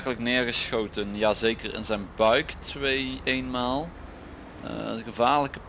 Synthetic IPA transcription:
ɣələknɪːɹɣəsxowtənjaːzejkərɪ̰nzɛjnbœɥktʋejejnmaːlˠ | əɣəvaːɹləkə

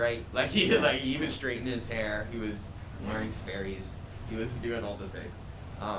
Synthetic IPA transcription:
ɹaɪt̚laɪkhilaɪkhiwʌz̥stɹ̥eɪʔn̩ɨz̥hɛɹiwʌz̥ | wɛɹɪ̃ŋsfɛɹiz̥ | iwʌzdʉɪ̃ŋɔlˠðɨθɪ̰̃ŋz̥ | ʔʌ̃

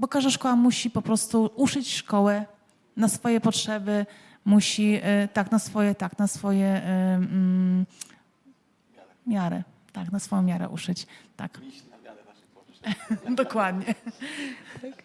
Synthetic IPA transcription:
bɔkaʐd̪aʂkɔwamuɕipɔpɾɔst̪uuʂɘt͡ɕʂkɔwɛ | nasfɔjɛpɔtʂɛbɘ | muɕit̪aknasfɔjɛt̪aknasfɔjɛ | mʲjaɾɛ̰ | t̪aknasfɔjɔ̃mʲjaɾɛ̰ʔṵʂɘt͡ɕt̪a̰k | d̪ɔkwad̪ɲɛ

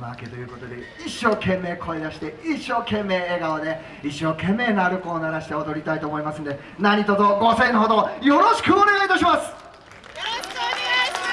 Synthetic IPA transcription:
maaket̪o̞jɯ̟ːko̞t̪o̞d̪e̞̰ | iɕːo̞ːkʰẽ̞mːe̞ːkʰo̞id̪aɕi̥t̪e̞iɕːo̞ːkẽ̞mːe̞ːeːɡaone̞ | iɕːo̞ːkẽ̞mːe̞ːnaɾɯ̟ko̞ːnaɾaɕi̥t̪eod̪o̞ɾʲit̪ait̪o̞ːmo̞imasɨ̃nod̪e | naɲ̟it̪ozoɡo̞sẽ̞nɦod̪o̞jo̞ɾo̞ɕi̥kɯ̟one̞ɡait̪aɕ̬imasɨ̥

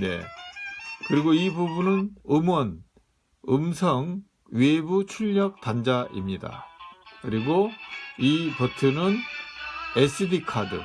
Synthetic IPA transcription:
ne̞̰ | kɯɾiɡoibubunɯnɯmʌn | ɯmsʰʌŋ | ɥebut͡ɕʰuʎːʌk̚tand͡ʑaʔḭmɲida̰kɯɾiɡoipʌtʰɯnɯn | es͈ɯdikʰadɯ̰

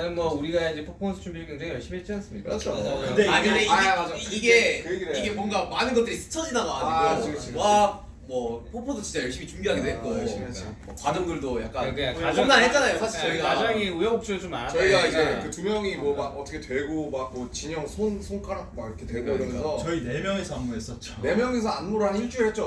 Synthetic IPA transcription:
nɯnɡʌuɾiɡaid͡ʑe̞pʰopʰosʰo̥t͡ɕʰumbiɡʌŋd͡ʑeŋejʌɭɕ͈imiet͡ɕ͈ians͈ɯmɲidaat͡ɕʰoeaɲimeaiiɡe̞kɯieiɡe̞mwʌnɡamanɯnɡʌt͈ɯɾisʰɯ̥t͡ɕʰʌd͡ʑinaɡoa̰ɲiɡot͡ɕa | mwʌpʰopʰodot͡ɕint͡ɕ͈ajʌɭɕ͈imit͡ɕumbiɦaɡedoɦetk͈oɕi | ʌkwad͡ʑʌŋɡɯɭdoja̰k͈̚ankɯaaoŋnanɦet͡ɕ͈anajosʰaɕʰiʌiɡaʌŋiujʌŋok̚t͡ɕ͈oot͡ɕomanat͡ɕʌiɡaid͡ʑe̞kɯtumjʌŋimwʌmaɡʌt͈ʰʌkʰe̞twe̞ɭɡomak̚mot͡ɕiɲʌŋsʰonsʰonk͈aɾak̚makiɾʌkʰetweɭɡoiɾʌmjʌnsʰʌt͡ɕʌine̞mjʌŋesʰʌanmoɾɦes͈ʌtt͡ɕ͈one̞mjʌŋes̬ʰʌanmoɾɦanɯnit͡ɕ͈ʰuɾɯɭhet͡ɕ͈o

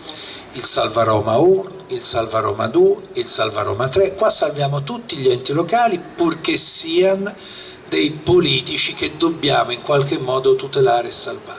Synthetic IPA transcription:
ilsalvaɾɔːmaunoilsalvaɾɔ̰ːma̰d̪uːeilsalvaɾɔ̰ːmat̪ɾekːwasːalvjaːmot̪ut̪ːiʎɛnt̪ilokaːlipurkesːiːan | d̪ejpoliːt̪it͡ʃik̟ed̪ːobːjaːmoiŋkwalk̟emːɔːd̪ot̪ut̪elaːɾeesːalva

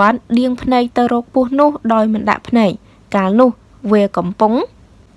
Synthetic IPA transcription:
ən̚ɗiəŋpʰnɛːk̚t̪ɨwrɔːk̚pʊ̆əhnʊ̆əhɗaɔjmɨnɗa̰ʔpʰnɛːk̚ | kaːlnʊ̆əh | ʋiəkɑmpʊŋ

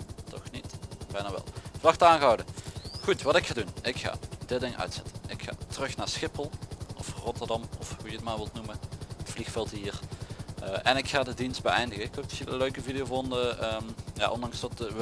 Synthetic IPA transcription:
tʰɔ̰xnitb̥ɛjnaːʋɛ̰lˠvəlɑxtəaːnɣəɑwdəɣutʋɑtɪkxaːdunɪkxa̰ːdɪtdɪŋœ̰ɥtsɛtə̥nɪkxa̰ːtərɵxnaːɹsxɪpəlˠʔɔfrɔtərdɑmɔfhujətmaːɹʋɪlˠtnuməətflixfɛlˠtɦiːrʔəːʔɛnɪkxaːdədinst̚bəɛjndəɣəɪkok̚tsilˠəløɥkəvidijovɔndəəːmja̰ʔɔndɑŋsʋɑt

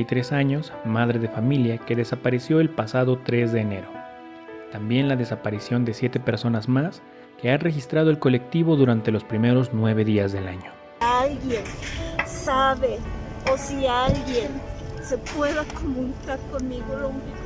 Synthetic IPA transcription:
jt̪ɾe̞saɲo̞smaðɾe̞ðe̞familjake̞ðe̞sapaɾe̞sjo̞e̞lpasaðo̞t̪ɾe̞zðe̞ːne̞ɾo̞ | t̪ambje̞nlaðe̞sapaɾisjo̞nd̪e̞sje̞t̪e̞pe̞ɾso̞nazmas | ke̞anre̞xist̪ɾaðo̞e̞lko̞le̞k̚t̪iβo̞ðuɾant̪e̞lo̞spɾime̞ɾo̞znwe̞β̞e̞ðiazðe̞laɲo | alɣjensaβeosialɡjense̞pwe̞ðakomũnikaɾkonmiɣolomi

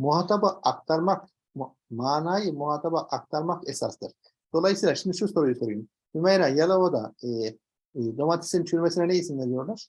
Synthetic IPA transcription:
muɦaːt̪ʰabaːk̚t̪ʰaɾmak | m | maːnaːjɯmuɦaːt̪ʰabaʔak̚t̪ʰaɾmakɛsast̪ɯɾ̥ | d̪̥o̞lˠajisiːlˠaʃimd̪iʃuso̞ɾujuso̞ɾujum | bimajɾajalˠaod̪aɯ | d̪omat̪ʰi̥sint͡ʃʰyɾmɛsinɛnɛisind̪ʲɛd̪ijoɾlˠaɾ̥

